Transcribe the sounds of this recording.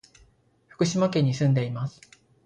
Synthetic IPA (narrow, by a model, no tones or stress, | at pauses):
ɸɯ̥kɯ̟ɕimakẽ̞ɲ̟ːisɨ̃nd̪e̞imasɨ̥